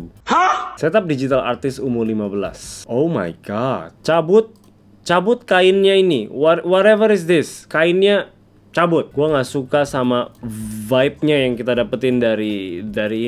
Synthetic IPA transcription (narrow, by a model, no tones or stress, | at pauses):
hasɛt̪ap̚did͡ʒit̪ala̰rt̪ɪsumʊrlimabəla̰soma̰jɡadt͡ʃabʊt̪̚ | t͡ʃabʊt̪̚kaɪnɲainiwawɔɾɛvəɾɪs̬d̪ɪskaɪnɲa | t͡ʃabʊt̪̚ɡ̥uaŋasukasamavaip̚ɲajaŋkit̪adapat̪ɪndaɾidaɾiː